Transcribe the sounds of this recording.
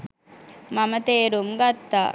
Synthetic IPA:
mamət̪eːɾumɡat̪ːa̰ː

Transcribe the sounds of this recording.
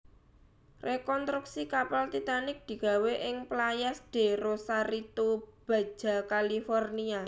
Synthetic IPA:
rʔekɔnst̪ɾuk̚sikapalt̪it̪anɪk̚d̪̥i̤ɡ̥a̤weʔɪŋplajasd̥e̤ɾosaɾit̪ub̥a̤̥ʒ̥a̤kalifɔrnia

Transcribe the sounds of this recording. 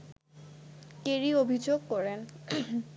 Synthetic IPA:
keɾiobʱid͡ʑoɡ̚kɔɾen

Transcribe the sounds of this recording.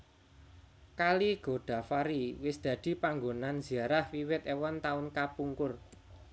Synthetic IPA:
kaliɡ̥o̤ɖ̪̥ä̤faɾiwɪsd̪̥ä̤d̪̥i̤paŋɡonanz̥i̤aɾahwiwɪt̪ewɔnt̪aʊnkapuŋkʊr

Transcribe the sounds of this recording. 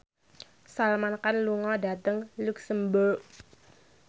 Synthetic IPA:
salmankanluŋɔda̤t̪əŋluksəmbərk̚

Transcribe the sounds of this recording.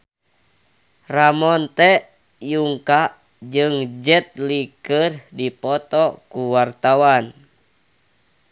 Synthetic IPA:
ramɔnt̪ɛ | juŋka | d͡ʒɨŋd͡ʒɛt̪̚likərdipɔt̪ɔkuwart̪awan

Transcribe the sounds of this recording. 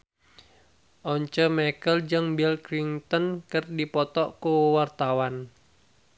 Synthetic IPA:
ʔɔɲt͡ʃəmɛkəld͡ʒɨŋbɛlkɾiŋt̪ənkɨrdipɔt̪ɔʔkuwart̪awan

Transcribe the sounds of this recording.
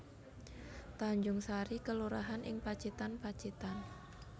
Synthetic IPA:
t̪aɲd͡ʒʊŋsaɾikəluɾaɦanʔɪ̰ŋpat͡ʃit̪anpat͡ʃit̪an

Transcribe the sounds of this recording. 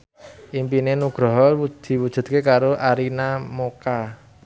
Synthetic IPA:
ʔimpinenuɡ̥ɾɔɦɔud̪̥i̤wud̥ʒ̥ṳt̪̚kekaɾoʔaɾinamoka

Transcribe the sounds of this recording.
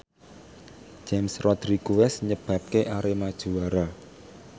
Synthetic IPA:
d͡ʒ̥emsrɔd̪̥ɾikuwɛsɲəb̥ä̤p̚keʔaɾemad̥ʒ̥ṳwaɾa

